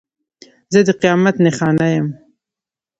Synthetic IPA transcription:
zəd̪əqijɑmat̪nexɑnajəm

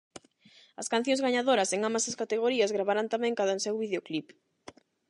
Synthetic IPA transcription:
ɐskãn̟θjõŋzɣaɲaðoɾɐseŋambɐsɐskat̪eɣ̞oɾiɐzɣɾaβaɾant̪amɛ̃ŋkaðɐsewβiðeoklip

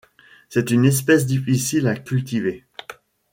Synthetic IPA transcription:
sɛt̪ynɛs̬pɛs̬d̪ifisilakʲylt̪ive

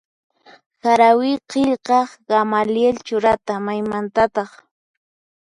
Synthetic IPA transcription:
saɾawɪqeʎqɑχɢ̥amaljelt͡ʃʊɾat̪amajmant̪at̪ɑχ

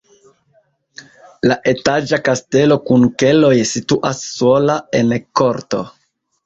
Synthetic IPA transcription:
laʔe̞tad͡ʒakaste̞lo̞kunke̞lo̞jsituʔasːo̞lae̞nko̞ɾto̞̰

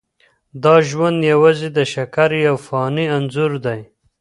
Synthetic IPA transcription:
d̪ɑʒwand̪jawɑzid̪əʃakaɾjawfɑːnianzuɾd̪aj

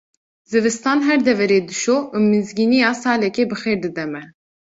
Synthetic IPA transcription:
zɨvɨst̪ɑːnɦɛɾd̪ɛvɛɾeːd̪ɨʃoːʔumɨzɡiːnijɑːsɑːlɛkeːbɨxeːɾd̪ɨd̪ɛmɛ

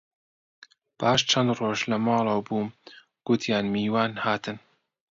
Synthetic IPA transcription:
b̥aːʃt͡ʃʰɐnd̪roʒlɐmɑːlˠɐwbuːm | ɡ̥ʊt̪ʰjaːnmiːwaːnhaːt̪ʰɨn

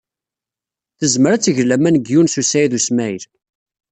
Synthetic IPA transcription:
θəzməɾæt͡sːəʝlæmænəɡjunsusæjðusmæjəl

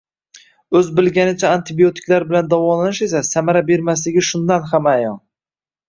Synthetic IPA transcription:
ɵzbɪlɡʲanɪt͡ʃʰaːnt̪ʰɪbio̞t̪ʰɪ̥kʲlaɾbɪland̪avɒlananɪʃe̞s̬asamaɾabe̞ɾmaslɪɡʲɪʃʊnd̪anhamajɒn

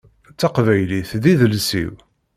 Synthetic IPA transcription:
t͡sːɑqvæjliθðiðəlsḭw

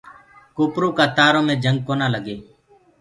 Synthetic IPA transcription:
koːpɾuːkaːt̪aːɾõːmẽːd͡ʒəŋɡ̚koːnaːləɡeː

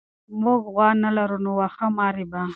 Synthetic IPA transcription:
muɡɣwɑnalaɾunowaxamɑːɾiba

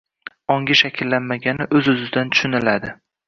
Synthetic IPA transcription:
ɒŋɡʲɪʃakʲʰɪlːanmaɡʲanɪʔɵzʊzɪd̪ant̪ʰʊ̥ʃɪnɪlad̪ɪ

